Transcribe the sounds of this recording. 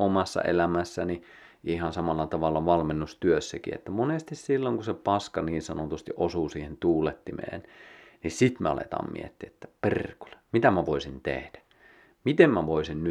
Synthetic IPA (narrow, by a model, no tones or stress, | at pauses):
omɑsːɑ̰ḛlæmæsːæni | ʔihɑnsɑmɑlːɑt̪ɑʋɑlːɑʋɑlmenːust̪yøsːækḭḛt̪ːæmonest̪issilːoŋkusepɑskɑniːnsɑnot̪ust̪iʔosuːsiːhent̪uːlet̪ːimḛːnnissit̪meɑ̰lḛt̪ɑ̰ːmmḭḛt̪ːiet̪ːæperko̥le̥mit̪æmæʋoisint̪ḛhd̥æ̥ | mit̪emmæʋoisinny